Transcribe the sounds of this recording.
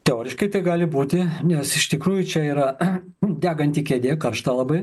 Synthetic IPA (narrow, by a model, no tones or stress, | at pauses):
t̪ʲɛoːɾʲɪʃkɐɪt̪ɐɪɡɑːlʲɪbuːt̪ʲɪnʲɛsɪʃt̪ʲɪkɾuːjʊt͡ʃʲɛiːɾɐ | d̪ʲæːɡɐnʲt̪ʲiːkʲeːd̪ʲeːkɐrʃt̪ɑːlˠɐbɐɪ